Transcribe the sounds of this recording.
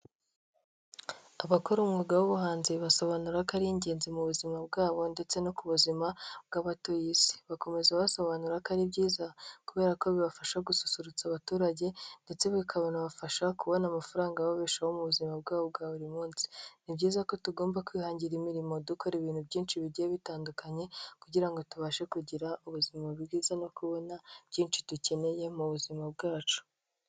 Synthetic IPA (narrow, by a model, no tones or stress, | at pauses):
aβakoɾumŋuɡawoβuɦaːnziβaso̞βanuɾakaɾiɲɟe̞ːnzimuβuzimabɡaːβo̞nde̞t͡se̞no̞kuβuzimabɡaβato̞jisi̥βako̞me̞zaβaso̞βanuɾakaɾibɟiːzakuβe̞ːɾako̞βiβafaʃaɡusu̥suɾut͡saβatuːɾaɟe̞nde̞t͡se̞βikʰaβenaβafaʃakuβo̞namafaɾaːŋɡaβaβeʃaho̞muβuzimab̚ɡaːβob̚ɡaːβuɾimuːnsi̥nibɟiːzako̞tuɡo̞ːmbakwiːhaːɲɟiɾimiɾimo̞duko̞ɾiβiːnhubɟiːnt͡ʃiβiɟijeβitaːndukaɲe̞kuɟiɾaŋɡo̞tuβaːʃekuɟiɾauβuzimaβɡiːzano̞kuβo̞nabɟiːnt͡ʃi̥duce̞ne̞je̞muβuzimabɡaːt͡ʃu̥